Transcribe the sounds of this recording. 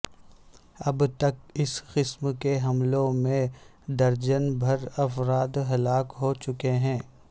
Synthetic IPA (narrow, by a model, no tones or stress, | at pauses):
ɐbt̪ɐk̚ɪsqɪsmkeɦɐmlõmẽ | d̪ɐɾd͡ʒənbʱɐɾɐfɾaːd̪ɦɐlaːkɦot͡ʃʊkeɦɛ̃ː